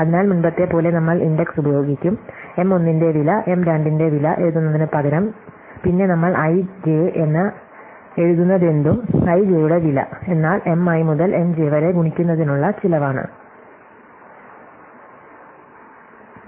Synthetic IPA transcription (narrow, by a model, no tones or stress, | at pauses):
ɐðinaːlmunbɐt̪ːe̞po̞ːle̞nɐmːɐɭindɐksubɐjo̞ːɡikʲːum | e̞mo̞nːinde̞ʋilɐʔe̞mɾaːndinde̞ʋilɐʔe̞ɻuðunːɐðinɨpɐɡɐɾɐm | pinːe̞nɐmːɐɭʔɐjd͡ʑeʔenːɐ | e̞ɻuðunːɐðe̞nd̪umɐjd͡ʑeːjuɽe̞ʋilɐ̰e̞nːaːle̞mɐjmuðɐlʔe̞md͡ʑeːʋɐɾe̞ɡuɳikʲːunːɐðinuɭːɐt͡ɕilɐʋaːɳɨ̰